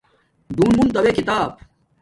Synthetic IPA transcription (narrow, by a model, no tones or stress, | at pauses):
ɖ̪uːnbunt̪ɐwekit̪aːb̚